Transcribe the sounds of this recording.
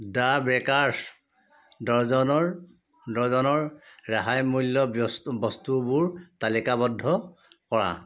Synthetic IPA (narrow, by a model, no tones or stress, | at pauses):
dabɹɛkaɹs | dɔɹzɔnɔ | dɔɹzɔnɔɹɹaɦajmulːɔbɔstubʊɹtalikabɔdʱːɔkɔɹa̰